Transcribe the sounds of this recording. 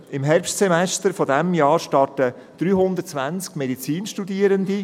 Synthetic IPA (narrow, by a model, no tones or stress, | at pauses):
ɪmɦɛrpʃtsɛmɛstəɾfodɛmjɑːɾʃtɑɾtə | d̥ɾyːɦʊnd̪ət͡sʋænt͡skmɛdit͡siːnʃtudiəɾənd̪i